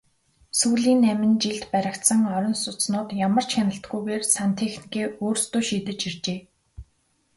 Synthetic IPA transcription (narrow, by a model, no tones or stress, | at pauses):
suːɮiːnːæmʲɪ̆nt͡ɕiɮt̪pæɾʲə̆kt̪sə̆ŋɔɾʲɞ̆nsʊt͡snʊːt̪jamə̆r̥t͡ɕxʲanə̆ɬt̪ɡujɣeːrsant̪ʰexni̥keːoːrst̪uːʃiːt̪ɘ̆t͡ɕir̥t͡ɕeː